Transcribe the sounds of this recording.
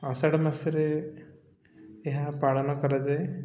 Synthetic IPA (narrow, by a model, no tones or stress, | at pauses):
asaɽɔmasiɾe | ɦapaɽɔnɔkɔɾad͡ʒaj